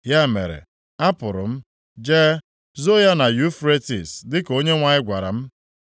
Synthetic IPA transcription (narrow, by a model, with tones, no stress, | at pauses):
ja˦˨mḛ˨ɾḛ˨ | a˦pʊ˨ɾʊ̰˨m̩˦ | d͡ʒe˦ | zo˦ja˦na˨ju˦fɾe˦tḭ˨sdɪ˦ko˦ɲe˦ŋʷa˦ɲɪ˦ɡʷa˨ɾa̰˨m̩˦